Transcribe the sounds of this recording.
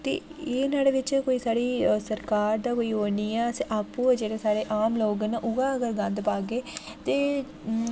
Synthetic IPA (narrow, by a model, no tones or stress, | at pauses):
t̪ḛːeːnaːɽeːʋɪt͡ʃkoːiːsaːɾiːsəɾkaːɾd̪aːkoːiːɦoːniːɛːseʔaːpːũːd͡ʒeːɽeːsaːɾeːʔaːmloːɡnaːʔʊɡaːəɡəɾɡə̃nd̪paːɡeː | t̪eː